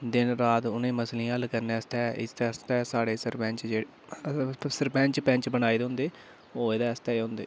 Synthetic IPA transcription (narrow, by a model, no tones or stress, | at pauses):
d̪ɪnɾaːt̪ʊnẽːməslĩːəlkəɾneːəst̪ɛːɪ̰st̪ɛːəst̪ɛːsaːɽeːsəɾpɛ̃ːɲt͡ʃd͡ʒeːɽe | səɾpɛ̃ːɲt͡ʃpɛ̃ːɲt͡ʃbənaːiːd̪ɦʊ̃nd̪eː | oːeːd̪ɛːəst̪ɛːɦʊ̃nd̪ḛː